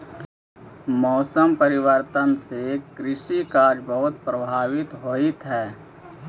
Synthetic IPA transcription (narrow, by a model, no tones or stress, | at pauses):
mɔːsəmpəɾɪwəɾt̪ənsekɾɪʃikaːd͡ʒbəɦʊt̪̚pɾəbʱaːwɪt̪ɦoːit̪ɦɛː